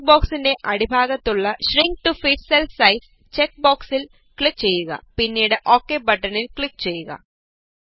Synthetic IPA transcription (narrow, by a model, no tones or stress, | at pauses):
boːksinde̞ʔɐɽibʱaːɣɐt̪ːuɭːɐɕriŋɡ̚ʈufiʈselsɐjs | t͡ɕek̚boːksil | kɭik̚t͡ɕe̞jːuɣɐ̰pinːiːɽeʔoːkːeːbɐʈːɐnilkɭik̚t͡ɕe̞jːuɣɐ̰